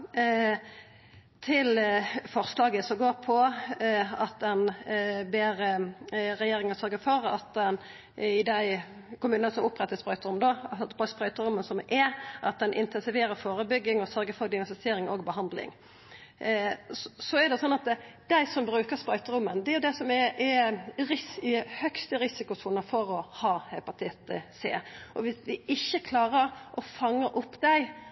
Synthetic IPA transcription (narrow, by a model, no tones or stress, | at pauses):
t̪ʰɪlfɔʁslɑːɡəsɔɡoːɾpʰɔ | ɑt̪̚d̪ɛnbeːɾəɾɛjeːɾɪŋɑsœɾɡəfɔɾɑ̰t̪̚d̪ɛn | ɪd̪æɪ | kʰʊmʉːnənəsɔmʊpːɾɛt̪ːəspɾœʏt̪əɾʊmd̪obɑspɾœʏt̪əɾʊmːənsɔmʔɛʔɑt̪̚d̪ɛnʔɪ̰nt̪ʰɛnsɪʋeːɾəfoːɾəbʏɡːɪŋɔsœɾɡəɾfɔd̪ɪʋɛnsɪseːɾɪŋoːɡbəɦɑnd̪lɪ̰ŋ | sɔɛɾd̪ɛsɔnːɑt̪d̪̥æɪsɔmbɾʉːkəɾspɾœʏt̪əɾʊmːənd̪ɛæjʊd̪ɛsɔmɛɛɾɪsɪhœkst̪əɾɪsɪkʊsuːnəfɔɾɔhɑːhɛpɑt̪ʰɪt̪əsḛːʔɔʋɪsd̪ɪɪçːəkʰlɑːɾəɾʔɔfɑŋːəɾʔʊpːd̪æɪ